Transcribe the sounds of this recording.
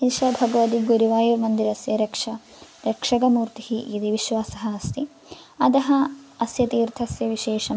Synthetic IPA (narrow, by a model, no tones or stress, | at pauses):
inʃɐbʱɐɡɐʋɐt̪iɡuɾiʋaːjuɾmɐnd̪iɾɐsjɐɾekʂɐ | ɾekʂɐɡɐmuːɾt̪ihiʔid̪iʋiʃʋaːsɐɦɐɐst̪i | ɐd̪ɐɦɐɐsjɐt̪iːɾt̪ʰɐsjɐʋiʃeːʂɐm